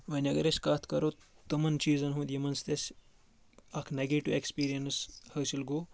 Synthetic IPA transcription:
ʋɐnʲɐɡɐɾesʲkaːt̪ʰkɐɾot̪ɨmɐnt͡ʃiːzɐnɦũːd̪ʲjimɐnst̪ɐsʲ | ɐkʰneɡeːʈiʋekspiːɾijɐnɨshɐsilɡoː

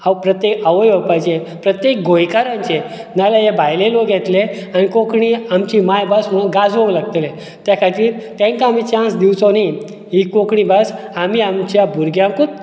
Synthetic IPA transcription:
awpɾət̪jekəʋəjopajd͡ʑe | pɾət̪jek̚ɡojkaɾãnt͡ɕenalaɦebʱajlelokjɛt̪leañikokɽiːamt͡ɕiːmajbasm̤əɭunɡad͡zʋõŋlaɡ̚t̪le | t̪jakʰat̪iːɾt̪ẽŋkaːmit͡ɕãnsd̪iwt͡soni | ɦikokɳiːbasamiamt͡ɕjabʱuɾɡjamkut̪̚

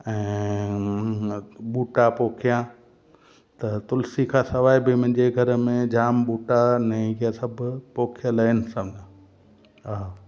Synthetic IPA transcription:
ɛ̃ː | ɓuːʈapoːkʰijã | t̪ɐt̪ʊlsikʰãːsɐʋaːibɪmʊ̃ɦɪ̃ɲd͡ʑeɡʱɐɾmẽd͡ʑaːmɓuːʈanɛ̃ɡiasɐbʱpoːkʰijələɪnɪsɐ̃md͡ʑʱãː | a

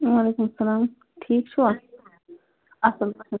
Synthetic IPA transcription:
waːleːkumɐsɐlaːm | ʈʰiːk̚t͡ʃʰu | ɐsɐlpɐsɐ

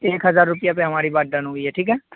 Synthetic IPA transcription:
ekɦəzaːɾːʊpɪjaːpɛ̃ːʋãːɾiːbaːɖãːnũːɦʊiːɛːʈʰiːkɦɛː

